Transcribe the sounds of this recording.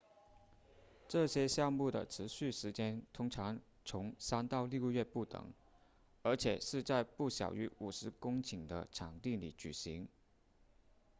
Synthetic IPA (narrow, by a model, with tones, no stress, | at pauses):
ʈ͡ʂɤ˥˩ɕjɛ˥ɕjɑ˥˧ŋmu˥˩d̪ə̰˩ʈ͡ʂʰɻ̩˧˥ɕy˥˩ʂɻ̩˧˥t͡ɕjɛ˥nt̪ʰʊ˥ŋʈ͡ʂʰɑ˧˥ŋ | t͡sʰʊ˧˥ŋsa˥nt̪ɑ˥˧ʊlji˥˧ʊɥɛ˥˧pu˥˩t̪ɤ̰˨˩˦ŋ | ə˞˧˥t͡ɕʰjɛ˨˩ʂɻ̩˥˧t͡sa˥˧ɪpu˥˩ɕjɑ̰˨˩ʊy˧˥u˨˩ʂɻ̩˧˥kʊ˥ŋt͡ɕʰi˨˩ŋd̪ə̰˦ʈ͡ʂʰɑ˨˩ŋt̪i˥˩ŋli˨˩t͡ɕy̰˨˩ɕi˧˥ŋ